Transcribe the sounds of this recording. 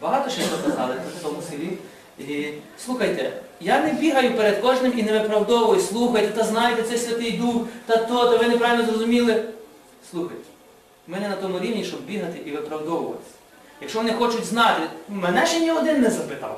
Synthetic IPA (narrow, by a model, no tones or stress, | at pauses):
bɐɦɑt̪ɔʃɛt̪ɔkɐzɑlˠɪt̪sɐlˠmʊsʲilʲi | i | slˠuxɐjt̪ɛ̰janebʲiɦɐjʊpeɾed̪kɔʒnɪmineʋɪpɾɐwd̪ɔʋʊʋɔjʊsʲslˠuxɐjt̪ɛt̪ɐznɑjet̪ɛt̪sɛsʲʋʲɐt̪ɪjd̪uxt̪ɐt̪ɔt̪ɐʋɪnɪpɾɑʋʲɪlʲnɔzɾrɔzʊmʲilˠɪ | slˠuxɐ̰jt̪ɛ̥ | mɛnɛnɐt̪ɔmʊɾʲiwnʲiʃt͡ʃɔbbʲiɦɐt̪ɪʔiʋɪpɾɐwd̪ɔʋʊʋɐ̰t̪ɪ̥sʲɐ | jɐkʃt͡ʃɔʋɔnɪxɔt͡ʃʊtʲznɑt̪ɪmɛnɛʃt͡ʃɛnʲiɔd̪ɪnːɛzɐpɪt̪ɑ̰w